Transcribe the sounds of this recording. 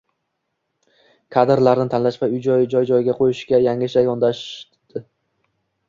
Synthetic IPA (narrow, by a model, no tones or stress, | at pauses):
kʰad̪ɪɾlaɾnɪt̪ʰanlaʃvaʊjd͡ʒɒjd͡ʒɒjd͡ʒɒjɡʲaqʰojɪʃkʲajaŋɪʃajɒnd̪aʃ | d̪̥ɪ